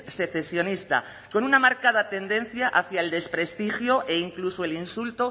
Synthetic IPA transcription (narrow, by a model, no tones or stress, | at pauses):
se̞θe̞sjo̞nist̪a̰ | ko̞nunamaɾkaðat̪e̞nd̪e̞n̟θjaʔaθjaeld̪e̞spɾest̪ixjoʔe̞iŋklusoe̞linsult̪o